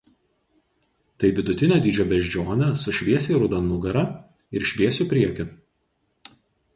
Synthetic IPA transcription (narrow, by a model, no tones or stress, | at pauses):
t̪ɐɪʋʲɪd̪ʊt̪ʲɪnʲoːd̪ʲiːd͡ʒʲoːbʲɛʒʲd͡ʒʲoːnʲɛsʊʃʲʋʲiɛsʲɛːɾʊd̪ɐnʊɡɐɾɐ | ɪɾʃʲʋʲiɛsʲupʲɾʲiɛkʲɪ